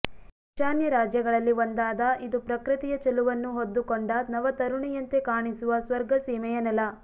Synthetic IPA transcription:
iʃaːnjɐɾaːd͡ʒjɐɡɐɭɐlːiʋond̪aːd̪ɐʔid̪upɾɐkɾɨt̪ijɐt͡ʃɐluʋɐnːuɦod̪ːukoɳɖɐnɐʋɐt̪ɐɾuɳijɐnt̪ekaːɳisuʋɐsʋɐɾɡɐsiːmɛjɐnɐlɐ

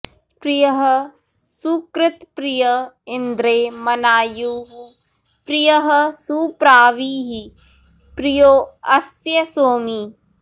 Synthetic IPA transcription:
pɾijɐɦə | sukɾɪt̪pɾijɐɪnd̪ɾeːmɐnaːjuːɦu | pɾijɐɦəsuːpɾaːʋiːɦi | pɾijoːɐsjɐsoːmiː

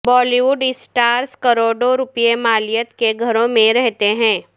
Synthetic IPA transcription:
bɔːliʋuːɖɪsʈaːɾskɐɾoːɖoɾʊpijemaːlɪjət̪keɡʱɐɾõmẽɾɛɦt̪eɦɛ̃ː

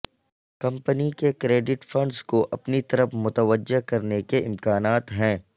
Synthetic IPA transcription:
kɐ̃mpənikekɾeːɖɪʈfɐ̃ɳɖzkoʔɐpnit̪ɐɾəfmʊt̪əʋəd͡ʒːekɐɾnekeʔɪmkaːnaːt̪ɦɛ̃ː

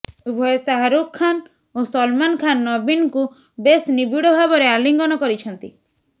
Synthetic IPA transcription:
ubʱɔjɔsaɦaɾukʰːan | osɔlmankʰanːɔbinku | besnibiɽɔbʱabɔɾealiŋɡɔnɔkɔɾit͡ʃʰɔnt̪i

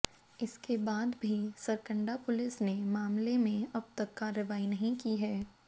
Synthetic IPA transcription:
ɪskebaːd̪bʱisɐɾkə̃ɳɖapʊlɪsnemaːmlemẽɐb̚t̪ɐkːaːɾəʋaːinɐɦĩkiɦɛː

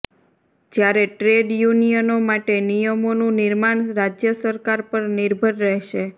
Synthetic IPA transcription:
d͡ʒjaɾeʈɾeɖjunijənomaʈenijəmonũnɪɾmaɳɾad͡ʒjəsəɾkaɾpəɾnɪɾbʱəɾːɛɦʃe

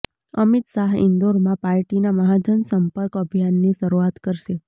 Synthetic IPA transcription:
əmit̪ʃaɦɪ̰̃nd̪oɾmãpaɾʈinaməɦad͡ʒənsəmpəɾkəbʱijanːiʃəɾuat̪kəɾʃe

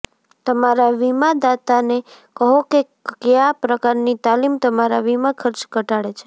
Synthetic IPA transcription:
t̪əmaɾaʋimãd̪at̪ane | kəɦoke | kjapɾəkaɾnit̪alimt̪əmaɾaʋimakʰəɾt͡ʃɡəʈaɽet͡ʃʰe̥

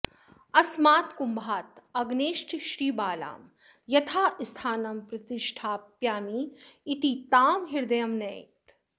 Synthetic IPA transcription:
ɐsmaːt̪kumbʱaːt̪ɐɡneːʃʈʃɾiːbaːla̰ːm | jɐt̪ʰaːist̪ʰaːnɐmpɾɐt̪ɪʃʈʰaːpjaːmiːt̪it̪aːmɦiɾd̪ɐjɐmnɐjt̪

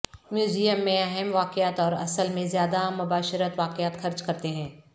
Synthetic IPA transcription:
mjuːzijəmːẽɛɦɛmʋaːkjaːt̪ɔːɾɐ̰səlmẽzjaːd̪amːʊbaːʃəɾət̪ʋaːkɪjaːt̪xɐɾt͡ʃkɐɾt̪eɦɛ̃ː

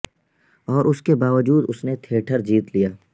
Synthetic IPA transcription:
ɔːɾʔʊskebaːʋəd͡ʒuːd̪ʊsnet̪ʰeːʈʰəɾd͡ʒiːt̪lijaː

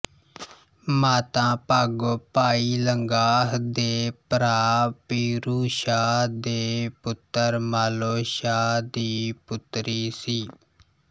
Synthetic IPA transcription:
maːt̪ãːpəɡpaːiːləŋɡaːɦd̪eːpəɾaːpiːɾuːʃaːd̪eːpʊt̪ːəɾmaːloːʃaːd̪iːpʊt̪ɾiːsiː

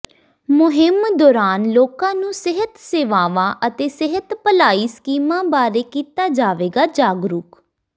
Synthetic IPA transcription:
mʊɦɪmd̪ɔːɾaːnloːkãːnũːsɪɦət̪seːʋaːʋaːʔət̪eːsɪɦət̪pəlaːiːsə̥kiːmãːbaːɾeːkiːt̪aːd͡ʒaːʋeːɡaːd͡ʒaːɡɾʊk

